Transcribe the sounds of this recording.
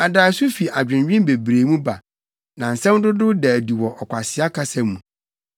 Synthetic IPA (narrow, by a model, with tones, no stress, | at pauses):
a˨daː˨sʊ˦fi˨ʔa˨d͡ʑᶣɪ̃˨n˦ɥᶣɪ̃˦mbe˨bɾe˨mũ˦ba˨ | nã˨n̩˨sɛ̃˦m˦dʊ˦dʊ˦dɛ˨di˨wɔ˨ʔɔ˨kʷa˨sɪ˨˦a˦kʰa˦sɛ̃˦mːũ˨